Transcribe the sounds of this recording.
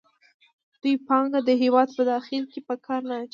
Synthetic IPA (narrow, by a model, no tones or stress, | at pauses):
d̪̥ujpɑŋɡad̪əɦewɑd̪̚pəd̪ɑxɪlkepəkʰɑɾnat͡ʃ